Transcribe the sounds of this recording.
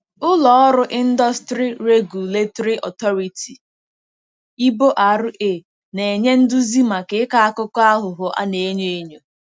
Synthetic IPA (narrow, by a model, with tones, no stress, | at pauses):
ʊ˦lɔ˨ɔ˦ɾʊ˦ʔɪ˦n̩˦dɔ˦stɾi˦ɾe˦ɡu˨le˦tɔ˦ɾi˦ʔɔ̰˨tɔ˦ɾi˨ti˨ | i˦bo˦ʔa˨ɾʊ˦ʔe˨ | ne˨e˨ɲe˦n̩˦dʊ˦zi˦ma˨ke˨˦ka˦a˦kʊ˦kɔ˦a˦ɦʊ˨ɦʊ˨ʔa̰˦ne˨e˦ɲe˦e˦ɲo˨